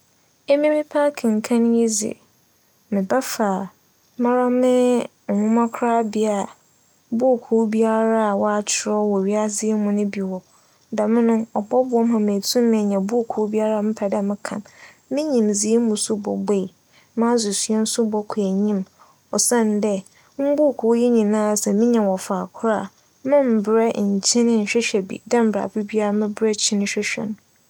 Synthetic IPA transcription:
e˦mĩ˦mɪ̃˦pʰa˦kʰɪ̃˨ŋ̩˨kʰã˦ñ˦ji˦zḭ˨ | mɪ̃˨ba˦fa˨ | mã˦ɾa˦mɪ̃˦˨ | hʊ̃˦mã˦kʰɾaː˦bɪ˨a˨ | bu˦˨kʰuː˦bi˦a˦ɾa˦a˨wɔ˦a˦t͡ɕʰɪ˨ɾɔ˦wɔ˨ɥi˦a˦zɪ˦mʊ̃˨nʊ̃˦bi˨wɔ˨ | da˨mɪ̃˦nʊ̃˦ɔ˨bɔ˦bʊ˨˦ɔ˦m˦ɦã˨mẽ˨tʰũ˦m˦ɪ̃˨ɲã˨bu˦˨kʰu˦bi˦a˦ɾa˦˨mɪ̃˦pʰa˨da˨mɪ̃˦kʰã̰˨m | mɪ̃˦ɲĩ˨mzi˦e˦muʊ̃˨˦sʊ˦bɔ̰˨be˦˨i˨ | mã˦zʊ˨sɥɛ˦n̩˦sʊ˦bɔ˨kʰæ˨ɲĩ˦m | ɔ˨sã˦n˦dɛ˦ | m̩˦bu˦˨kʰu˨˦ji˦ɲĩ˨nã˦˨sɛ˨mĩ˦ɲã˨wɔ˨fa˨kʰʊ˦ɾa˦˨ | mɪ̃˦m̩˨bɾɛ˦˨ɲ̩˨t͡ɕʰɪ̃˦nɪ̃˦n̩˨ɕᶣɛ˦ɕᶣɛ˨bḭ˨dã˦m̩˨bɾa̰˨pi˦bi˦a˦ɾa˨mɪ̃˦bɾɛ˦t͡ɕʰɪ̃˦nɪ̃˦ɕᶣɛ˦ɕᶣɛ̰˨nʊ̃˨

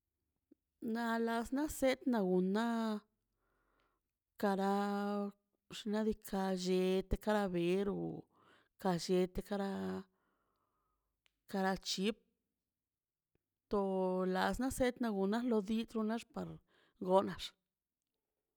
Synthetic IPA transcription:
na˧la˧sna˦se˦t̪na˧ɡu˨na˦ | ka˧ɾa˧ | ʂna˦d̪i˧kʰa˧d͡ʒe˧t̪e˧ka˦ɾa˧be˨˦ɾo̰˨ | ka˧ʃe˧t̪e˧ka˧ɾa˧ | ka˧ɾa˧t͡ʃi˧˦p̚ | t̪o˧la˧sna˦se˦t̪na˧ɡu˨na˦lo˧d̪i˦t̪ɾu˧na˦ʂpa˨ɾ | ɡo˧˦na˧ʂ

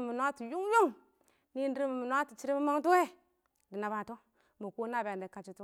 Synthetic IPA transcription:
mu˨n˦a˦ti˨ju˦ŋ˦jo˦ŋ | ni˦n˦di˦ɾi˦mi˨mu˨n˦a˦ti˨t͡ʃi˦ɾi˦mi˦ma˦ŋtu˦e˦ | di˨na˨ba˨to˦ | mu˨ku˦na˦˨ba˨de˨ka˨t͡ʃi˦tu˦

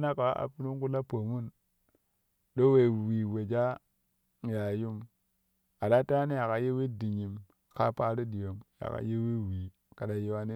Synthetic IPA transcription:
na˦ka˨wʔa̰˨pi˦ɾu˦ŋku˦la˦po˨mu˦˨n | ɗo˦we˨wi˨we˨d͡ʒa˦ | ja˨ju˦m | a˨da˦ta˦ni˦ja˨ka˨je˦wi˦di˨ɲi˨m | ka˦pa˦ɾi˦di˨jo˨mja̰˨ka̰˨je˦wi˦wi˨ | ka˨da˨ji˦wa˦ni˦

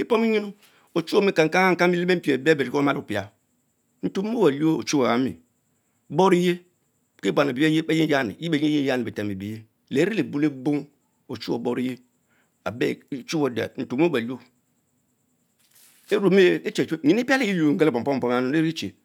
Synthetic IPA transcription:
i˦po˦mi˦ɲi˦nu˦ | o˨t͡ʃu˦o˦mi˦ka˨ŋ˨˦a˦ŋa˦ŋ̩˨˦ka˦i˦le˦me˦m̩˦pe˨be˦be˨ɾi˨˦kma˦lpi˨a˨ | n̩˨to˦o˦wa˨li˦o˦o˨t͡ʃu˦wa˨a˨˦mḭ˨ | bo˦ɾi˦je˦ | ke˦ba˨na˨bi˨˦e˦je˦e˦ji˦ja˦nḭ˨ji˦e˨ɲi˦e˦ja˦˨ni˨i˨te˨m˨i˨bi˨je˦ | le˨˦ɾi˦le˨bu˦le˦bo˦ŋ | o˨t͡ʃu˦o˨bo˦ɾi˦je˦ | a˨bḛ˦˨˦t͡ʃu˦wo˨da̰˨n̩˨to˨˦ba˨li˦o˦ | e˦ɾo˨mi˦e˦t͡ʃe˨˦e˦˨ɲi˨ni˦pa˦le˦i˦lŋ̩˦ɡe˦po˨m̩˨pɔ˦˨pɔ˦m˦a˦nu˦le˦ɾt͡ʃḛ˨

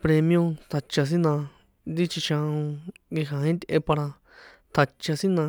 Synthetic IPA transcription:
pɾe˧mĩjõ˧t̪ʰa˧t͡ʃa˧s̬i˦nã˧ | nd̪i˦t͡ʃi˧ʃã˧ũ˧ɡi˧ɦã˨ĩ˦t̪ʲʔe˧pa˧ɾa˧ | t̪ʰa˧t͡ʃa˧sĩ˦nã˧

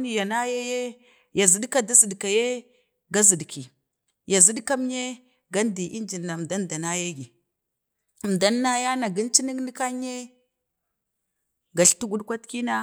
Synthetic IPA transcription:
ni˦ja˨na˦je˦je˦ | ja˨zi˦dka˦da˦zi˨dka˨je˦ | ɡa˦zi˨dkʰi˨ | ja˨zi˦dka˦m˦ɲe˦ | ɡa˦n˦di˨ʔi˦nd͡ʒi˨nːa˨da˦nda˨na˦je˦ɡi˨ | m˨da˦nːa˦ja˦na˨ɡi˦nt͡ʃi˦ni˦kni˦ka˦ɲe˦ | ɡa˨ɬtu˦ɡu˦ɗkʷa˦tki˦na˦

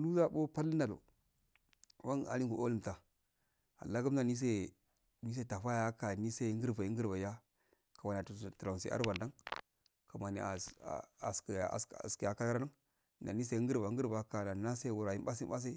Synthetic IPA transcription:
nu˦za˦ɓo˦pa˦lːna˨lo̰˨ | wa˦na̰˨li˦ŋɡu˨ʔo˦li˦˨mta˨ | a̰˨la˦ɡə˦mna˨ni˦s̬e˦ | mi˦s̬e˦˨ta˨fa˦ja˨˦ka˨ni˦sa˦ŋ˦ɡə˦ɾva˨i˦ŋ˦ɡə˦ɾba˨ja˦ | ka˨ma˨n˨a˨tu˨tu˨la˨sḛ˨˦ʔa̰˦ɾba˨nda˦ŋ | ka˨ma˨nḭ˨a̰˨a̰˨ska̰˨sski˨ja˨ka˦la˦ɾa˦na˦˨ | na̰˨ni˦s̬e˦ɡə˦ɾba˨˦ɡə˦ɾba˨ka˨na˨˦na˦se˦˨wu˨ɾa˨ji˦mba˦sa˦s̬a˦

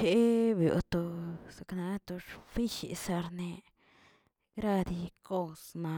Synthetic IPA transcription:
e˧˦bjo̰˨t̪o˧sa˧kna˧˦t̪o˧ʃfi˦ʃḭ˨sa˧ɾne˧ | ɡɾa˦˧d̪i˧ko˦˧sma˧

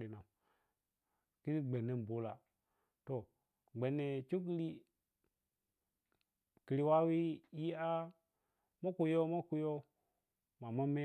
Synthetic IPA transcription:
i˨na˨ | ki˦i˦ɡ͡be˨ne˦n˨bo˨˦la˨ | to˨ | ɡ͡be˨nːe˨t͡ʃu˦k̬i˦li˦ | ki˨ɾi˨wa˦wi˦ji˦a˦ | mo˦ku˨jo˦ma˦ku˨jo˦ | ma˨ma˦me˦

